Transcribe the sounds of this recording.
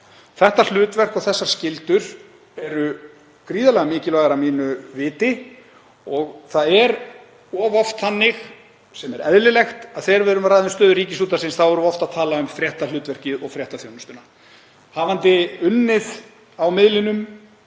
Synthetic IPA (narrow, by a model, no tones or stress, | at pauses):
θɛht̪al̥ʏːt̪vɛr̥kɔɣθɛsːḁscɪlt̪ʏɾ̥ | ɛɾʏ | kɾiːðalɛɣamɪːcɪlaːɣaɾamiːnʏvɪːt̪ɪ | ɔɣθaðɛɾ | ɔːvɔft̪θanːɪx | sɛmɛɾɛ̰ðlɪlɛxt̪aðθɛɾvɛðɾʏmraːjðʏnst̪œːðʏɾriːcɪsuːt̪asɪnsθawvɛɾuɔft̪aðt̪ʰaːlaʏmfɾjɛht̪alʏːt̪vɛr̥cɪɔɣfɾjɛht̪aθjownʏst̪ʏna | haːvant̪ɪʏnːɪð | awmɪðlɪnʏm